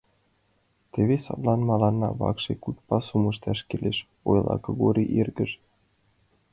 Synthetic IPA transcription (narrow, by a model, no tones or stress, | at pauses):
t̪eβesɑ̰t̪lˠɑnmɑlɑnːɑβɑ̰kʃekut̪pɑsumɤ̆ʃt̪ɑʃkeleʃ | ojlˠʔɑ̰kɤ̆ɡoɾʲiʔirɡə̆ʃ